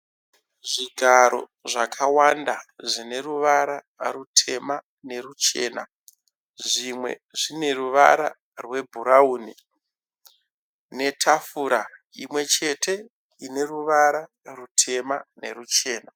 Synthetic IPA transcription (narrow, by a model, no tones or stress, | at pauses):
ʐiɡʱaɾo̞̰ | ʐakʰawandaʐine̞ruʋaɾa | rutʰe̞ma | ne̞rut͡ʃe̞ːna̰ | ʐimwe̞̰ʐine̞ruʋa̰ɾa̰ | rwe̞bʱuɾauːni | ne̞tʰafuɾa | imwe̞t͡ʃe̞tʰe̞ | ine̞ruʋaɾa | rutʰe̞mane̞̰rut͡ʃe̞ːna